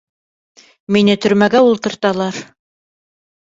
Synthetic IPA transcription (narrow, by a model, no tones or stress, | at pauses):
minɘt̪ɵ̆ɾmæɡæulˠt̪ɤ̆ɾt̪ɑlˠɑɾ